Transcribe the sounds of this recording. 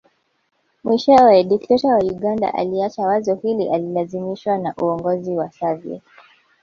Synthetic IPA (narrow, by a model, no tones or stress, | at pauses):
mwiʃɛɛɗiktɛtawauɠanda̰ʔa̰liat͡ʃawazɔhiliʔalilazimiʃwanaʔuɔŋɡɔziwasaviɛ̰